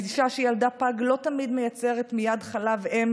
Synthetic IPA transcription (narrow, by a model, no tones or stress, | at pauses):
diʃaʃejaldapaɡlo̞tamidmejat͡se̞ʁetmijadχalavem